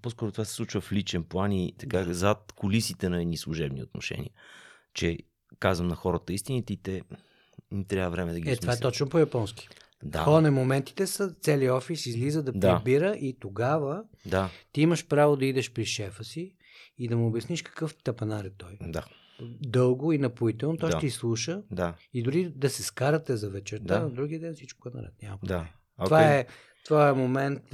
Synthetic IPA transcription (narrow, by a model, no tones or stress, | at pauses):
poskɔɾot̪ovasɛ̥slˠut͡ʃvəflit͡ʃɛnplˠanit̪ɐkazat̪kolisit̪ɛnɐɛd̪nislˠuʒɛbnio̰t̪no̰ʃɛ̰nʲḭə | t͡ʃɛ | kazvəmnɐxɔɾət̪əist̪inət̪it̪ɛ | t̪ɾjadvəvɾɛmɛd̪ɐɡiɛt̪ovaɛt̪t̪ɔt͡ʃnopojɐpɔnski̥ | da̰xɔnɛmomɛnt̪i̥t̪ɛsət̪sɛliɔfisizlizəd̪ɐpd̪ɛabiɾəʔit̪oɡavəd̪at̪iiməʃpɾavod̪ɐid̪ɛʃpɾiʃɛfəsiː | d̪ɐmuobjɐsniʃkɐ̥kɤft̪ɐpɐnaɾɛt̪ɔjd̪a | d̪ɤlˠɡoinɐpuit̪ɛlˠnot̪ɔjʃt̪ɛislˠuʃəd̪aid̪ʊɾid̪ɐsɛskaɾət̪ɛzɐvɛt͡ʃɛɾt̪anɐd̪ɾuɡʲiəd̪ɛnfsit͡ʃkoɛnɐ̰ɾɛ̰t̪nʲamɐvaɛɛ | ovaɛ | t̪vojɛmomɛnt̪